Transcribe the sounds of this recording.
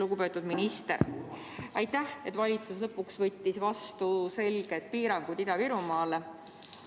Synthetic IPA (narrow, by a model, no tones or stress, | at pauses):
luɡ̥upe̞ːt̪ːˑud̪̥minist̪ḛɾ | ɑjt̪ːˑæhe̞t̪ːˑvɑlʲit̪suslɤpːˑuksvɤt̪ʲːisvɑst̪use̞lɡ̥e̞t̪̚piːɾɑŋɡ̥ud̪̥id̪ɑviɾumɑːle